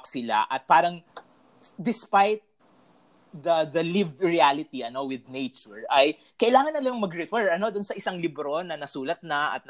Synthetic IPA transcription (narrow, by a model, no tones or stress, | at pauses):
ksɪla̰ʔɐt̪̚paːɾɐŋ | d̪ɪspajt̪̚ | d̪ɐd̪ɐlɪvd̪ɹialɪt̪iʔɐno̞wɪd̪nejt͡ʃʊɹɐj | kɐʔɪlaːŋɐnːɐlɐmɐŋmɐɡɾɪfɛɹɐno̞d̪ʊnsɐʔɪsɐŋlɪbɾo̞nɐnɐsuːlɐt̪̚nɐʔɐ̰t̪̚